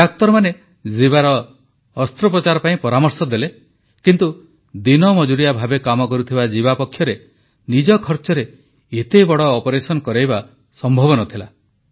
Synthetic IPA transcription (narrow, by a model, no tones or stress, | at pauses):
ak̚t̪ɔɾmane | ziβaɾɔː | st̪ɾɔpɾɔt͡ʃaɾɔpaĩpɔɾamɔɾsɔd̪ele | kint̪u | d̪inɔmɔd͡ʒuɾijabʱabekamɔkɔɾut̪ʰibad͡ʒibapɔkʰːjɔɾe | nid͡ʒɔkʰɔɾt͡ʃɔɾe | et̪ebɔɽɔːpɔɾesɔnɔkɔɾajba | sɔmbʱɔbɔnɔt̪ʰila